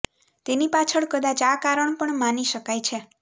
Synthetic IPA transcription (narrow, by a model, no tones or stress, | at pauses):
t̪enipat͡ʃʰəɭkəd̪at͡ʃakaɾəɳ̃pəɳmaniʃəkajt͡ʃʰe